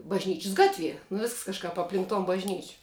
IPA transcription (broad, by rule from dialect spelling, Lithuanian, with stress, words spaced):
bɐʒʲˈnʲiːt͡ʃʲɪs ˈɡɑːtʲˌʋʲiɛ nʊ ʋʲɪsks kɐʃˈkɐp ɐpʲˈlʲɪŋk toːn bɐʒʲˈnʲiːt͡ʃʲ